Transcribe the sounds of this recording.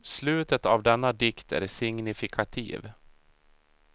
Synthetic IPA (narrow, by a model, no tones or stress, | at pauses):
slʉ̟ːt̪ət̪avd̪ɛnːad̪ɪkt̪ʰæ̰ɾsɪŋnɪfɪkʰat̪ʰḭːv